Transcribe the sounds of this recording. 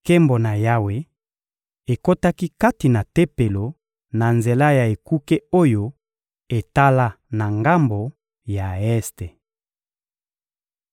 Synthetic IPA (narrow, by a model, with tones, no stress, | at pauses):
ke˦mbo˨na˨ja˦we˦ | e˨ko˦ta˦ki˦ka˦ti˨na˨te˦pe˨lo˨ | na˨nze˨la˦ja˨e˨ku˦ke˦o˦jo˦ | e˨ta˦la˦ | na˨ŋɡa˦mbo˨ | ja˨ɛ˦ste˨